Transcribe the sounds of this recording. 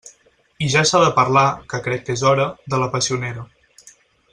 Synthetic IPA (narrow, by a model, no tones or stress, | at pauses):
iʒasaðəpəɾlakəkɾɛkːezɔɾəðələpəsiuneɾə